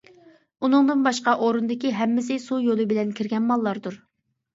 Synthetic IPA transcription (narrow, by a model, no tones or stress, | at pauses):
unɨŋd̪ɨnbɑʃqɑʔoɾɨnd̪ɪkʲiɦɛmːɪsɪsujolˠɨbɪlɛnkʲʰiɾɡʲɛnmɑlˠːɑɾd̪uɾ